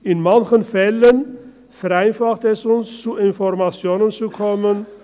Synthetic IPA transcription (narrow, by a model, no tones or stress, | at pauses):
ɪnmançənfɛlən | fɛʁaɪnfaχtɛsʊnst͡suɪnfɔʁmat͡sjoːnənt͡sukʰɔmən